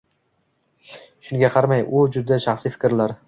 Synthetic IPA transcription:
ʃʊnɡʲaqʰɑɾmajʔʊd͡ʒʊd̪aʃaχsifɪ̥kʲɾlaɾ

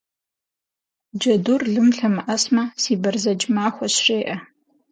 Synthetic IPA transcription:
d͡ʒɐdurɮɨmɬɐmɨʔɐsmɐsiːbɐrzɐd͡ʒmaːxʷɔɕʂeːʔɐ

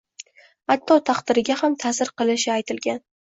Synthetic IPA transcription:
at̪ʰːɒt̪ʰaqd̪̥ɪɾɪɡʲahamt̪ʰasɪɾqɨlˠɪʃɪajt̪ʰɪlɡʲan

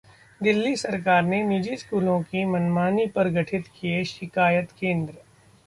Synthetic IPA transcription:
d̪ɪlːisɐɾkaːɾnenid͡ʒiskuːlõkimɐnmaːnipɐɾɡɐʈʰɪt̪kieʃɪkaːjət̪kẽːnd̪ɾə

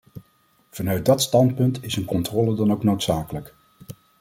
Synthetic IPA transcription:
v̥ɑnœɥt̚dɑtstɑnt̚pɵntɪsənkɔntrɔːlədɑnowknowtsaːkələk

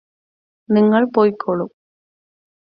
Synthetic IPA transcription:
nɪŋɡɐɭpoːjkʰːɔɭʊm

